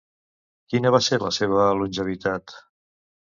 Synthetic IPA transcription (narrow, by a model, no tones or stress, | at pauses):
kinəβ̞aseɾlə̰seβəlunʲʒəβ̞it̪at̪